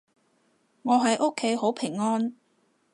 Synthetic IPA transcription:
ŋɔː˨˧ɦɐ˨˧jʔo˥kʰːe˨˥jɦo˨˥wpʰɪ˨˩ŋːɔː˥n

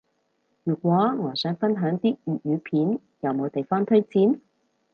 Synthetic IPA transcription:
jyː˨k̚ʷɔː˨˥ŋɔː˨˧sœː˨˥ŋfɐ˥nɦœː˨˥ŋt̪iː˥jyː˨˩t̚jyː˨˧pʰiː˨˥n | jɐ˨˧wmo˨˧wt̪e˨jfɔː˥ŋt̪ʰɵ˥ɥt͡siː˨˥n

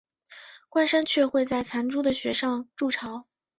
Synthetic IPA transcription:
kwa˥˧nʂa˥nt͡ɕʰɥɛ˥˧xwe˥˧ɪt͡sa˥˩ɪt͡sʰa˧˥nʈ͡ʂu˥d̪ə˨ɕɥɛ˧˥ʂɑ˥˧ŋʈ͡ʂu˥˩ʈ͡ʂʰɑ˧˥ʊ

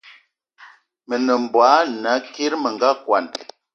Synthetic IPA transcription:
mə˨nə˨m̩˨bwa˨˦na˨˦ke˦ɾmə˨ŋɡa˦kwa˨n

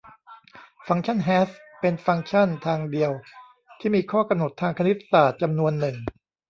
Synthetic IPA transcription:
fa˧ŋt͡ɕʰa˥˩nɦɛː˦˥spe˧nfa˧ŋt͡ɕʰa˥˩nt̪ʰaː˧ŋdi˧əw | t̪ʰiː˥˩miː˧kʰɔː˥˩ka˧mno˨˩t̪ʰːaː˧ŋkʰa˧n˦˥t̪ːsaː˨˩t̪̚t͡ɕa˧mnu˧ənːɯ˨˩ŋ

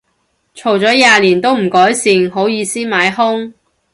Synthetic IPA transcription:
t͡ʃʰo˨˩wt͡sɔː˨˥jaː˨˧liː˨˩nt̪o˥wm̩˨˩kɔː˨˥jsiː˨˧ŋɦo˨˥wjiː˨˧siː˥maː˨˥jhʊ˥ŋ

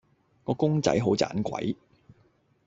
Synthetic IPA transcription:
kɔː˨˧kʊ˥ŋt͡sɐ̰˨˥jɦo˨˥wt͡sa̰ː˨˥nkʷwɐ̰˨˥j

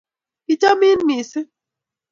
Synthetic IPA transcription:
i˦t͡ʃa˦mi˦n˦mi˨si˦

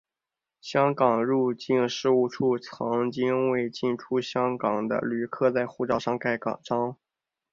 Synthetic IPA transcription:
ɕjɑ˥ŋkɑ˨˩ŋɻu˥˧t͡ɕi˥˧nʂɻ̩˥˧u˥˩ʈ͡ʂʰu˥˩t͡sʰɑ˧˥ŋt͡ɕi˥nwe˥˧ɪt͡ɕi˥˩nʈ͡ʂʰu˥ɕjɑ˥ŋkɑ˨˩ŋd̪ə̰˦ly˨˩kʰɤ˥˧t͡sa˥˧ɪxu˥˧ʈ͡ʂɑ˥˧ʊʂɑ˥˧ŋka˥˩ɪkɑ̰˨˩ŋʈ͡ʂɑ˥ŋ

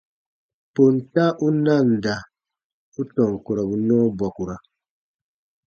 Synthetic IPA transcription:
po˨nta˦ʔu˦na˦˨n˨da˨ | u˦tɔ˨ŋ˨ko˨ɾa˨bu˨nɔ˦bwa˨ku˨ɾa˨

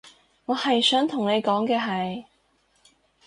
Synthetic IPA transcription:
ŋɔː˨˧hɐ˨jsœː˨˥ŋt̪ʰʊ˨˩ŋne˨˧jkɔː˨˥ŋkɛː˧ɦɐ˨j

